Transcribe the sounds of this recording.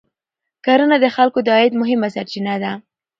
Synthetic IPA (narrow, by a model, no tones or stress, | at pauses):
kaɾənad̪əxalkod̪ɑɪd̪mʊɦɪmasaɾt͡ʃinad̪a